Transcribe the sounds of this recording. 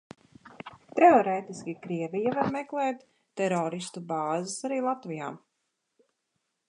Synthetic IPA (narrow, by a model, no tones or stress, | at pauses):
t̪ɛɔɾɛːt̪iskʲikɾiɛvijavaɾmɛklˠɛːt̪ː | ɛɾɔːɾist̪ubaːzɪsaɾiːlˠat̪vija̰ː